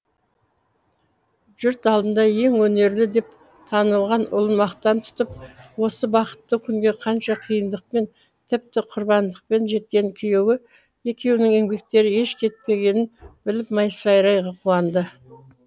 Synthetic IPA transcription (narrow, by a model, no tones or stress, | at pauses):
ʒ̥ʏɾt̪ɑlˠd̪ənd̪ɑje̞ŋwɵne̞ɾlɪd̪e̞p | t̪ʰɑnəlˠʁɑnʊ̰lˠənmɑqt̪ɑnt̪ʰʊ̥t̪əp̚wo̞səbɑqə̥t̪ːəkʲʰʏŋɡʲe̞qʰɑnʃɑqʰəjənd̪əq̚pe̞n | t̪ʰɪp̚t̪ɪqʰʊɾbɑnd̪əq̚pe̞nʒe̞t̪̚kʲe̞ŋkʲʰije̞wɪ | e̞kʲe̞wnɪŋe̞ŋbe̞k̚t̪e̞ɾɪe̞ʃkʲʰe̞t̪̚pe̞ɡʲe̞nɪnbɪlɪpmɑjsə̥sɑjɾɑjʁɑqʰuɑnd̪ə